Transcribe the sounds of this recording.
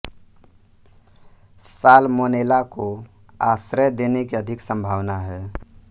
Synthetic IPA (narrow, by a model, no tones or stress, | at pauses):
saːlmoːneːlako | a̰ːsɾəd̪eːnekiəd̪ʱɪksə̃mbʱaːʋnaɦɛː